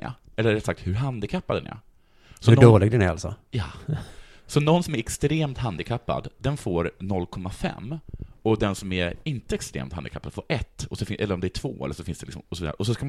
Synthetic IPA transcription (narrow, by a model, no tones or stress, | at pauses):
a̰ | ʔɛlːəɾɛt̪sak̚t̪hɵɾɦand̪ɪkʰapːad̪ɛ̰næ̰ɾ | sɔɵɖoːlɪɡ̚d̪ɛnæɾalsɔ̰jɑː | sɔnɔnsɔmæɾɛkst̪ɾeːmt̪hand̪ɪkʰapːa̰d̪d̪ɛnfoːɾnɔlːkʰɔmːafɛ̰mːɔd̪ɛnsɔmæɾɪnt̪əɛkst̪ɾḛːmt̪hand̪ɪkʰapːad̪foːɾʔɛt̪ːɔsɔfɪʔɛlːəɾɔmd̪ɛæʈʰv̥oːɛ̰lːəʂɔfɪnsd̪ɛlɪksɔmɔsɔviːd̪aɾəʔɔs̬ɔskam